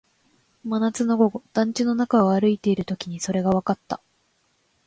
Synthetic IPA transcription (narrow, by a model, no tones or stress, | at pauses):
manat͡sɨno̞ɡo̞ɡo̞d̪̥ãɲ̟t͡ɕino̞nakaaɾɯ̟it̪e̞iɾɯ̟t̪o̞kʲiɲ̟iso̞ɾe̞ɡaβ̞akat̪ːa